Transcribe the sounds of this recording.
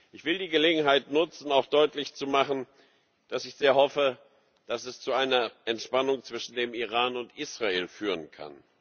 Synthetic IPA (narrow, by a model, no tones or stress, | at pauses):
ʔɪçv̥ɪldiːɡəleːɡŋ̩ɦaɪtnʊt͡sn̩aʊxd̥ɔʏtlɪçt͡sumaχn̩ | d̥asɪçz̥eːɐhɔfə | d̥asɛst͡suaɪnɐʔɛntʃpanʊŋt͡sv̥ɪʃn̩deːmiʁaːnʊntʔiːsʁ̥aeːlfyːʁənkʰa̰n